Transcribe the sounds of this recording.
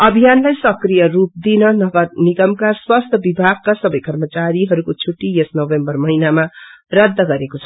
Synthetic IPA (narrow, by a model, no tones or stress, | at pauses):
ʌbʱijanlajsʌkrijʌɾup̚d̪inʌɡʌniɡʌmkarswast̪ʰʌbibʱaɡ̚kasʌbʌjkʌrmʌt͡saɾiɦʌɾukot͡sʰuʈːijesnʌwembʌrmʌɦinamarʌd̪ːʌɡʌɾekot͡sʰʌ̥